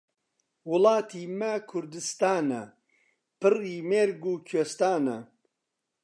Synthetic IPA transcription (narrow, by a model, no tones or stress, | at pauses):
wʊlɑːt̪ʰimɐkʰʊɾd̪ɨst̪aːnɐ | pɨriːmeɾɡuːkʰest̪aːnɐ